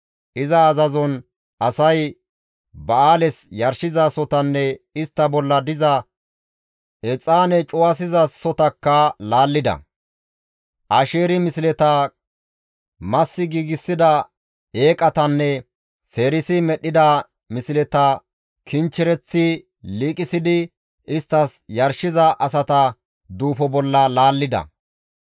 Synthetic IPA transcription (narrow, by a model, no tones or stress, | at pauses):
ʔɪzɐːzɐzɔn | ʔɐsɐj | bɐaːlɛsjɐɾʃɪzasɔt̪ɐnːɛɪst̪ːɐbɔlːɐd̪ɪzɐ | ɛt͡sʼːaːnɛt͡ʃʼʊwas̬ɪzɐsɔt̪ɐkːɐlaːlːɪd̪ɐ̰ | ʔɐʃeːɾɪmɪsɪlɛt̪ɐ | mɐsːɪɡiːɡɪsːɪd̪ɐ | eːkʼɐt̪ɐnːɛ | se̞ːɾɪsɪmɛɗːɪd̪ɐ | mɪsɪlɛt̪ɐ | kʰɪnt͡ʃːɪɾɛt͡sːɪ | liːkʼɪsɪd̪ɪ | ɪst̪ːɐsjɐɾʃɪzɐʔɐs̬ɐt̪ɐ | d̪uːfɔbɔlːɐlaːlːɪd̪ɐ̰